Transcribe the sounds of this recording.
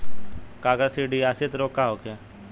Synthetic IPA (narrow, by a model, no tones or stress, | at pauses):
kaːɡəsiɖiaset̪ɾoːkːaɦokʰe